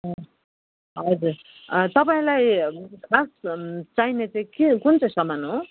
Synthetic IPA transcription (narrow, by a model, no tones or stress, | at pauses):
ʌ | ɦʌd͡zuɾ | t̪ʌpaĩlajkʰast͡sainet͡saĩkekunt͡sʌj̃sʌmanɦo